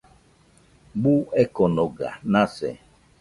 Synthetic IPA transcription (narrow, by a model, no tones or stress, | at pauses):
ɡ͡buɛkɔnɔɡa̰nasɛ̰